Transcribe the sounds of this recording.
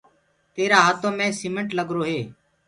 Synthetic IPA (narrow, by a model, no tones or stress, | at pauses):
t̪eːɾaːɦaːt̪õːmẽːsiːməɳʈləɡɾoːɦeː